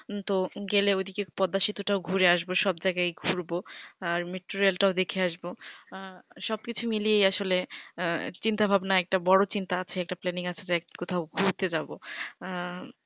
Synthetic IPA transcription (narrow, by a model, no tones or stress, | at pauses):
t̪oɡeleod̪ʱikepɔd̪ːaʃit̪uʈaoɡʱuɾeaʃboʃɔbd͡ʑajɡajɡʱuɾboaɾmeʈːuɾialʈaod̪ekʰeaʃbo | ʃɔb̚kit͡ɕʰumilijejaʃole | t͡ɕint̪abʱabnaɛk̚ʈabɔɽot͡ɕint̪aat͡ɕʰeɛk̚ʈaplɛniŋat͡ɕʰed͡ʑakot̪ʰaoɡʱuɾt̪ed͡ʑabo